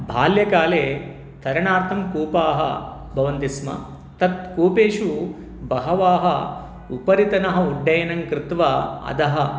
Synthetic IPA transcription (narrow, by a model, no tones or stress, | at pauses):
bʱaːljɐkaːleː | t̪ʰɐɾɐɳaːɾt̪ʰɐmkuːpaːɦɐ̰ | bʱɐʋɐnt̪ismɐ̰ | t̪ɐt̪̚kuːpeːʂu | bɐɦɐʋaːɦɐ | upɐɾit̪ɐnɐɦɐuɖʱːɐjɐnɐŋkɾɪt̪ʋaɐ̰d̪ɐɦɐ